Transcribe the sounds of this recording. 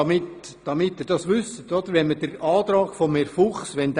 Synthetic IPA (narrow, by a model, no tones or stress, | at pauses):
ɑmɪt | d̥ɑmɪt̪ːɪɾd̥ɑsʋʏsət̪ɔd̪əɾʋɛnməd̥əɾɑːt̪ɾɑːɡ̥fɔmeɾfuχsʋɛnd̥̪